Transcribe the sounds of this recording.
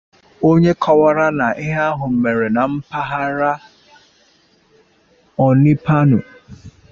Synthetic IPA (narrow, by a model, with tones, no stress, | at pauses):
o˦ɲe˦kʰɔ˦wa˦ɾa˦na˨ʔɪ˦ɦa˦a˦ɦʊ˨m̩˨me˨ɾe˨na˨m̩˦pa˦ɦa˦ɾa˦ | ɔ˨nɪ˦pa˦nʊ̰˨